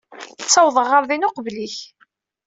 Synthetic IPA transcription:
t͡sːɑwðˤəʁːəɾðinʊqəvliç

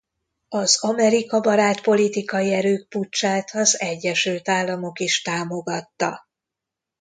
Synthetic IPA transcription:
ɒzɒmɛɾikɒbɒɾaːt̪po̞lit̪ikɒjiɛɾøːk̚put͡ʃːaːt̪ɒzɛɟːɛʃylt̪aːlːɒmo̞kiʃt̪aːmo̞ɡɒt̪ːɒ

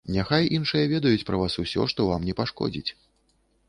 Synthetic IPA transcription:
nʲaxajʔinʂɨjɐvʲɛd̪ɐjut͡sʲpɾɐvasusʲɔ̰ʂt̪ɔvamnʲɛpaʂkɔ̰d͡zʲḭt͡sʲ

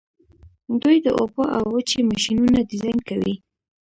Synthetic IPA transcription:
d̪ujd̪əʔopoʔawət͡ʃemaʃinunad̪ɪzajnkawi

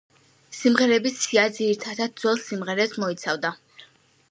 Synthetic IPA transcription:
simʁɛɾɛbisiad̪ziɾit̪ʰad̪ad̪̚d̪zwɛlˠsimʁɛɾɛsmɔit̪sʰavd̪a

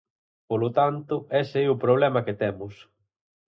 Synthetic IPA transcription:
polot̪ant̪ʊɛseiʊpɾoβ̞lɛmɐket̪ɛmʊs

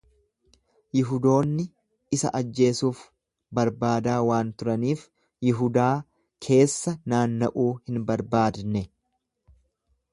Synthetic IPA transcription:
jɪɦʊd̪o̞ːnːɪ | ɪsɐ̰ʔɐd͡ʒːe̞ːsuːf | bɐɾbaːd̪aːwaːnt̪ʊɾɐniːf | jɪɦʊd̪aː | kʰe̞ːsːɐnaːnːɐʔuːhɪnbɐɾbaːd̪nɛ

